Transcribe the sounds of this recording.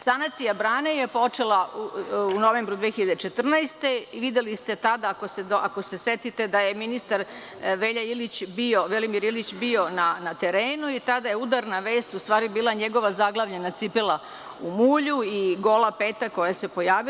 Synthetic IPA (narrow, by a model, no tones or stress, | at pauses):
sanat̪sijabɾaːnejepo̞t͡ʂe̞lauuno̞ʋe̞ːmbɾud̪ʋexiʎad̪et͡ʃet̪r̩najst̪e̞ʋid̪je̞list̪e̞t̪ad̪aːkosed̪oakose̞set̪it̪e̞d̪aje̞minist̪aɾ | ʋeʎailit͡ɕbioʋelimiɾilit͡ɕbio̞nanat̪e̞ɾeːnuit̪ad̪aje̞ud̪aɾnaʋe̞ːst̪ust̪ʋaːɾibiːlˠaɲeɡo̞ʋazaɡlˠaʋʎe̞nat̪sipela | umuːʎuiɡo̞lapeːt̪ako̞jase̞po̞jaːʋi